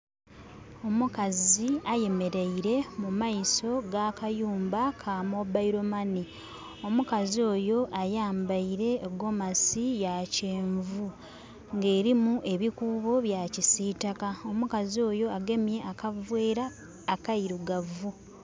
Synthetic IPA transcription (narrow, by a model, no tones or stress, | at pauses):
o̞mukaziaje̞me̞ɾeiɾe̞mumaiso̞ɡaːkajuːmbakʰamobaiɾo̞mani | o̞mukazio̞ːjo̞ʔajaːmbaiɾe̞ːɡo̞masijaceːɱvu | ŋɡe̞ːɾimuʔe̞βikuːβo̞βjacisiːtakao̞mukazio̞ːjo̞aɡe̞mje̞ʔakavwe̞ːɾaː | kaiɾuɡavu